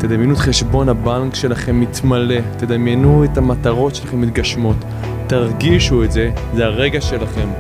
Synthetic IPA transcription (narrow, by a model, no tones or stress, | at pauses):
t̪ed̪amjenutχe̞ʃbo̞nabaŋkʃe̞laχe̞mːit̪male̞t̪ed̪amjenuetamataʁo̞tʃe̞laχe̞mit̪̚ɡaʃmo̞t̪ː | aʁɡiʃuetze̞zeaʁe̞ɡaʃe̞laχe̞m